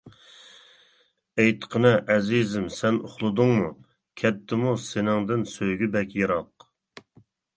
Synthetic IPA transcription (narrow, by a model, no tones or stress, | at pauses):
ejt̪qʰənɨʔɛzizɪmsɛnoχlˠɨd̪ʊŋmu | kʲʰɛt̪̚ʰːɪmusenɪŋd̪ɪnsøjɡʲybɛkʲjeɾɑq